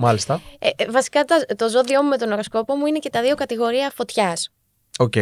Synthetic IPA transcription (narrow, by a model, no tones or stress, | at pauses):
mɐlist̪ɐevɐsi̥kɐt̪ɐt̪o̞zo̞ðio̞mume̞t̪o̞noɾo̞sko̞po̞muine̞ce̞t̪ɐðiokɐt̪iɣo̞ɾiɐfo̞t̪çɐs | oce